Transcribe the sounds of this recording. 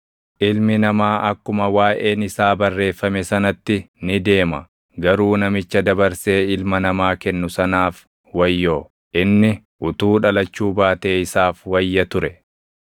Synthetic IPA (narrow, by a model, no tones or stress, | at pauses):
ʔɪlmɪnɐmaːʔɐkːʊmɐwaːʔe̞ːnɪsaːbɐrːe̞ːfːɐmɛsɐnɐt̪ːɪnɪd̪e̞ːmɐ̰ | ɡɐɾuːnɐmɪt͡ʃːɐd̪ɐbɐɾseːɪlmɐnɐmaːkɛnːʊsɐnaːf | wɐjːoː | ʔɪnːɪ | ʔʊt̪uːᶑɐlɐt͡ʃːuːbaːt̪e̞ːɪsaːfwɐjːɐt̪ʊɾɛ